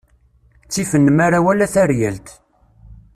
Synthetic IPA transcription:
t͡sːifənːəmaɾawælæθæɾjælt̪

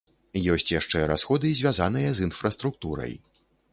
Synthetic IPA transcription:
jɔsʲt͡sʲjaʂt͡ʂɛɾa̰sxɔd̪ɨzʲvʲazanɨjɐzinfɾɐst̪ɾuk̚t̪uɾɐ̰j

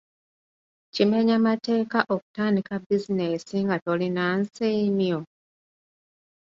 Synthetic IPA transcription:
cimeɲamate̞ːkaʔoku̥taːndikabizine̞siŋɡato̞linansiːmjo

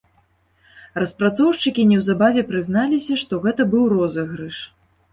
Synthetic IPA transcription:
rɐspɾat̪sɔwʂt͡ʂɨkʲinʲɛwzabavʲɛpɾɨzn̪alʲisʲɐʂt̪ɔɣɛt̪ɐbɨwrɔzɐɣɾɨʂ

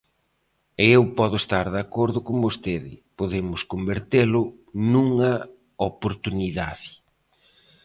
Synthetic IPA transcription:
ɪewpɔðʊest̪aɾðakoɾðʊkombost̪eðɪ̰poðemʊskombeɾt̪elʊ | nuŋɐ | opoɾt̪uniða̰ðɪ

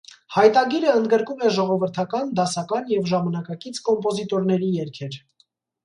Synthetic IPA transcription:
hɑjt̪ɑɡiɾəənd̪ɡəɾkumɛʒɔʁɔvəɾt̪ʰɑkɑnd̪ɑsɑkɑnjɛvʒɑmɑnɑkɑkit͡sʰkɔmpɔzit̪ɔɾnɛɾijɛɾkʰɛɾ

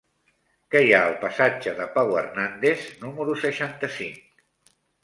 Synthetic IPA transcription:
kəjaəlˠpəsad͡ʒəðəpawərnand̪eznuməɾusəʃant̪əsiŋk

